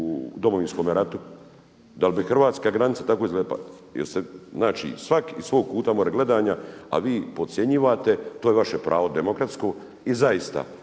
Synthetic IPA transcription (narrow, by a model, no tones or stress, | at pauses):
ud̪o̞moʋinsko̞ːmeɾat̪u | d̪albixr̩ʋaːt̪skaɡɾanit̪sat̪akoizɡlea̰ | jḛɾst̪eznaːt͡ʃḭsʋakisʋo̞ːɡ̚puːt̪amoɾeɡle̞d̪aːɲaa̰ʋiːpo̞t̪sjeɲiʋat̪e̞t̪oːjeʋaʃepɾʔa̰ːʋo̞d̪e̞mo̞kɾat̪sko̞ː | izaist̪a̰